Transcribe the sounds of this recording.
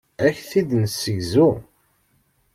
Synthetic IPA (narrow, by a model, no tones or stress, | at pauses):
æçθid̪nsːəʝzu